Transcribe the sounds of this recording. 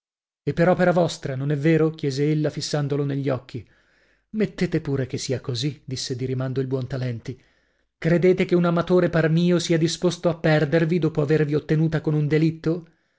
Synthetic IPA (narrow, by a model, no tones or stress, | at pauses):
epːeɾɔpeɾavɔst̪ɾanonɛvːeːɾok̟jɛːzeelːafisːand̪oloneʎːɔkʰːi | met̪ːeːt̪epuːɾek̟esːiːakozid̪isːed̪iɾimand̪oilbwɔnt̪alɛnt̪i | kɾed̪eːt̪ekeunamat̪oːɾeparmiːosiad̪ispost̪oapːɛrd̪ervid̪oːpoaverviot̪ːenuːt̪akonund̪elit̪ːo